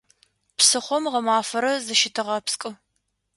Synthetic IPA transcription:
psɨχʷɔmʁɐmaːfɐɾɐzɨʃɪtʰɨʁɐpskʼɨ

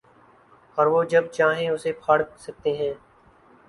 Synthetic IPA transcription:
ɔːɾʋoːd͡ʒɐb̚t͡ʃaːɦẽʊsepʰaːɽsɐk̚t̪eɦɛ̃ː

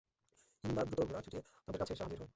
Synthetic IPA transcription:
ind̪ad̪ɾut̪obuɾat͡ɕʰuʈieamad̪eɾkat͡ɕʰeʃaɦad̪iɾɦɔe

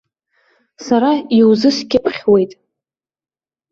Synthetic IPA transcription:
saɾaiwzɨskʲɪpʰχʲwe̞jtʼ

